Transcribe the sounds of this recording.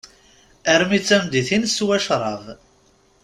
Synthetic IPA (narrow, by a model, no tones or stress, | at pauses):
æɾmit͡sːæmd̪iθinswæʃɾˤɑʁ